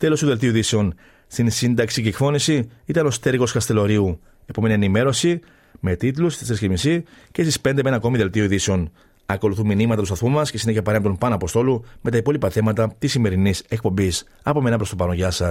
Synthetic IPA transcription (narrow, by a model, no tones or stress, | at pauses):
t̪e̞lo̞st̪uðelt̪̬iuðise̞o̞n | st̪insind̪ɐksiɡekθo̞nisiit̪ɐno̞st̪e̞ɾɣo̞skɐst̪e̞lo̞ɾiu | e̞po̞me̞nienime̞ɾo̞si | me̞t̪it̪lusesescimisice̞st̪ispe̞nd̪eme̞nɐko̞miðe̞lt̪iuðise̞o̞n | ɐko̞luθuminimɐt̪ɐt̪ustɐθumɐsce̞sine̞çɐpɐɾemt̪o̞mpɐnɐpo̞st̪o̞lume̞t̪ɐipo̞lipɐθe̞mɐt̪ɐt̪isime̞ɾinise̞k̚po̞mbis | ɐpo̞me̞nɐpɾo̞st̪o̞pɐno̞ʝɐsɐ